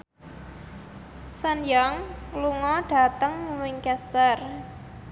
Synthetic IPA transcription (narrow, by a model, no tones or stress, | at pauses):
sanjaŋluŋɔɖ̥a̤t̪əŋmuwɪŋkɛst̪ər